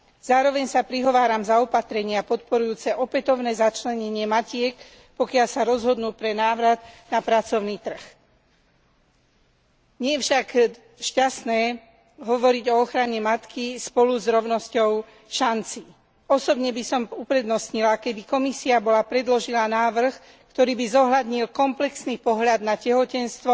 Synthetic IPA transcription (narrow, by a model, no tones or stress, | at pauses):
z̥aːɾɔʋɛɲsapɾiɦɔʋaːɾamzaɔpat̪ɾɛɲɪapɔt̪pɔɾujuːt͡sɛʔɔpɛt̪ɔʊnɛːzat͡ʃlɛɲɛɲɪɛmacɪɛk | pɔkɪalsaɾɔzɦɔd̪nuːpɾɛnaːʋɾad̪napɾat͡sɔʊniːt̪r̩x | ɲɪɛɛfʃak | ʃcasnɛː | ɦɔʋɔɾiɟɔɔxɾaɲɛmat̪kispɔluzɾɔʊnɔscɔʊ | ʃant͡siː | ɔsɔbɲɛbisɔmupɾɛd̪nɔsɲilakɛbikɔmisiabɔlapɾɛd̪lɔʒilanaːʋr̩x | kt̪ɔɾiːbizɔɦlad̪ɲilkɔmplɛksnipɔɦʎad̪nacɛɦɔcɛnst̪ʋɔ